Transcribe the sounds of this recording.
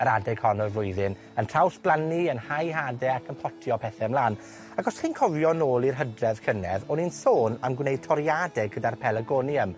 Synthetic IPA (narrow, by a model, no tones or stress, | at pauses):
əɾadɛɡhɔnɔlʊjðɪn | əntʰr̥awsb̥lˠaniənhajɦaːdɛakʰənpʰɔtʰjɔpʰɛθɛmlaːn | aɡɔsχinkʰɔvjɔnoːlˠirɦədrɛð̥kʰənɛðɔninsoːnamɡwnejd̥̚tʰɔɾjadɛɡədarpʰɛlˠəɡɔniəm